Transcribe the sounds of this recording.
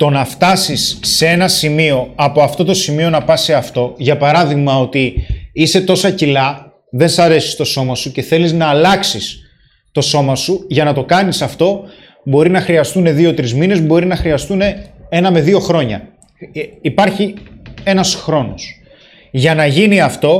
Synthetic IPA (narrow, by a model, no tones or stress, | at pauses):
t̪o̞nɐft̪ɐsisːee̞nɐsimio̞ɐpo̞ɐft̪o̞t̪o̞simio̞nɐpɐse̞ɐft̪o̞ʝɐpɐɾɐðiɣmɐo̞t̪iise̞t̪o̞sɐcilɐ | ðe̞nsɐɾe̞si̥st̪o̞so̞mɐsuce̞θe̞liznɐːlɐksis | t̪o̞so̞mɐsuʝɐnɐt̪o̞kɐnisɐft̪o̞ | bo̞ɾinɐxɾiɐst̪une̞ðio̞t̪ɾizmine̞zbo̞ɾinɐxɾiɐst̪une̞e̞nɐme̞ðio̞xɾo̞ɲɐ̰ː | pɐɾçie̞nɐsxɾo̞no̞̰s | ʝɐnɐʝiniɐft̪o̞